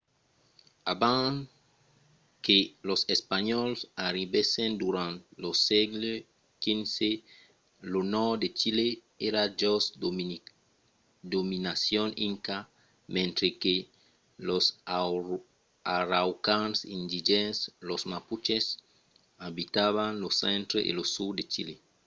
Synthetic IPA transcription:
abã | kelosespaɲɔlsaɾibesẽnd̪uɾãnt̪losɛɡle | kĩnse | lonɔd̪et͡ʃile | eɾad͡ʒos | d̪ominasjoniŋka | mẽnt̪ɾeke | los | aɾawkãŋsĩnd̪iʒenslozmaput͡ʃes | abit̪aβaŋlosẽnt̪ɾeʔḛlosuɾd̪et͡ʃḭle

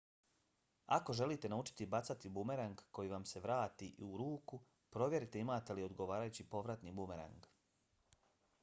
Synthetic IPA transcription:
ako̞ʒe̞lit̪e̞naut͡ʃi̥t̪ibat̪sat̪ibume̞ɾaŋɡko̞jiʋamse̞ʋɾaːt̪iʔiuɾuːku | pɾo̞ʋje̞ɾit̪e̞imaːt̪e̞lio̞d̪ɡo̞ʋaːɾajut͡ɕipo̞ʋɾat̪nibumeɾa̰ŋɡ

